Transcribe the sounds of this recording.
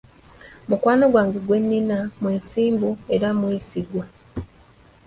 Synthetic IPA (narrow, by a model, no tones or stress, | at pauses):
mukwaːno̞ɡwaːŋɡeɡwe̞nːinamweːsiːmbue̞ɾamweːsiɡwa